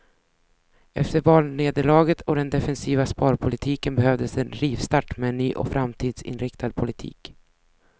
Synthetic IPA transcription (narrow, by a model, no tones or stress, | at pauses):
ɛft̪əɾvɑːlneːd̪əɭɑːɡət̪ʰɔd̪ɛnd̪ɛfɛnsiːvaspɑːɾpʰʊlɪt̪ʰiːkənbɛhœvd̪əsɛnɾiːvst̪aʈːmɛːnːyːʔɔ̰fɾʔamt̪ʰiːd̪sɪ̰nɾɪkt̪ʰad̪̚pʰʊlɪt̪ʰḭːk